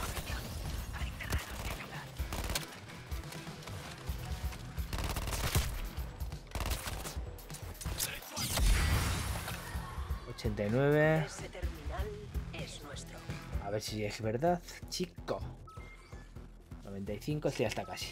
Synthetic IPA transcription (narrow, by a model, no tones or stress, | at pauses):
injonait̪eranomela | o̞t͡ʃe̞nt̪ajnwe̞β̞eset̪eɾminalesnwest̪ɾoaβeɾsiezβe̞ɾðaðt͡ʃiko | noβe̞nt̪ajθiŋkosiast̪akasi̥